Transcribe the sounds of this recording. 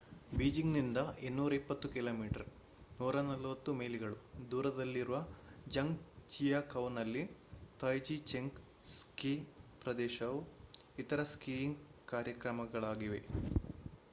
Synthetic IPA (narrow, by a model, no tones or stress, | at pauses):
biːd͡ʒiŋɡnind̪ɐenːuːɾɐipːɐt̪ːukiloːmiːʈɐɾ | nuːɾɐnɐlʋɐt̪ːume̞ːliɡɐɭud̪uːɾɐd̪ɐlːiɾuʋɐd͡ʒɐŋɡt͡ʃijɐkɐwnɐlːit̪ɐjd͡ʒit͡ʃeŋɡ | skiːpɾɐd̪ɛːʃɐʋu | it̪ɐɾɐskiŋɡkaːɾjɐkɾɐmɐɡɐɭaːɡiʋe̞